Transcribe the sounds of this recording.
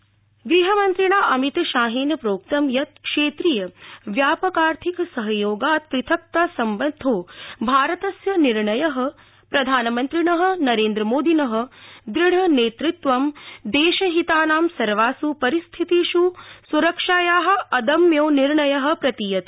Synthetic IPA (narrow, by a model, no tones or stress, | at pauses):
ɡɾiɦɐmɐnt̪ɾiɳaːʔɐmit̪ʃaːɦeːnɐpɾoːk̚t̪ɐmjɐt̪̚kʂeːt̪ɾijɐʋjaːpɐkaːɾt̪ʰiksɐɦɐjoːɡaːt̪̚pɾit̪ʰɐk̚t̪aːsɐmbɐnd̪ʱoːbʱaːɾɐt̪ɐsjɐniɾɳɐjɐɦɐ̆ | pɾɐd̪ʱaːnɐmɐnt̪ɾiɳɐɦɐ̆nɐɾeːnd̪ɾɐmoːd̪ʱinɐɦɐ̆d̪ɾiɳ̤ɐneːt̪ɾit̪ʋɐmd̪eːʃɐɦit̪aːnaːmsɐɾʋaːsupɐɾist̪ʰit̪iʃusuɾɐkʂaːjaːɦɐ̆ɐd̪ɐmjoːniɾɳɐjɐɦɐ̆pɾɐt̪ijɐt̪